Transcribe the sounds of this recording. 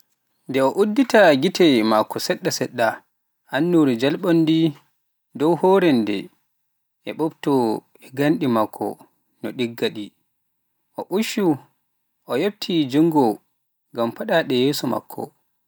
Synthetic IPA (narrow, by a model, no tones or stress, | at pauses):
ndɛɔʔudːitaɡitʰɛmakʰːɔsɛɗːasɛɗːa | ʔanːuɾid͡ʒalɓɔndi | dɔwhɔːɾɛndɛ̰ | ʔɛɓɔbtɔ | ɛɡanɗimakʰːɔ̰ | nɔɗiɡːaɗi | ʔɔʔuʃu | ʔɔjeb̚tʰid͡ʒuŋɡɔ | ɡampaɗaɗɛjeːsuma̰kʰːɔ̰